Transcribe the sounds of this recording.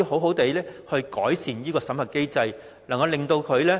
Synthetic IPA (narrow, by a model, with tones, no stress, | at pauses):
i˧ho˨˥wɦo˨˥wt̪e˨˧jlɛː˥hɵ˧ɥkɔ̰ː˨˥jsiː˨˩njiː˥kɔː˧sɐ˨˥mɐ˨˩ke˥jt͡sɐ˧j | lɐ˨˩ŋkɐ˧wle˨ŋt̪o˧wkʰɵ˨˧ɥlɛː˥